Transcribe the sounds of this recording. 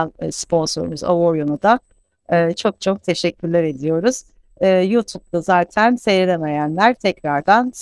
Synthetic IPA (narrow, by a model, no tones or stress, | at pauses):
nspʰo̞nso̞ɾṵmyza̰voɾjonud̪a | ɯːt͡ʃʰo̞k̚t͡ʃʰo̞k̚t̪ʰe̞ʃɛcʰʲːyɾlʲæɾe̞d̪ijo̞ɾuz̥ | ɯːjuːt̪ʰub̚d̪azaːt̪ʰænse̞jilʲeme̞jænlʲæɾt̪ʰɛcɾaɾd̪ans